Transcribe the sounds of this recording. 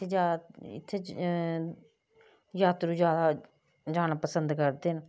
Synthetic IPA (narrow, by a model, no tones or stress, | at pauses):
ed͡ʒaːɪ̰t̪ʰːeː | jaːt̪ɾuːd͡ʒjaːd̪aː | d͡ʒaːnaːpəsənd̪kəɾd̪eːn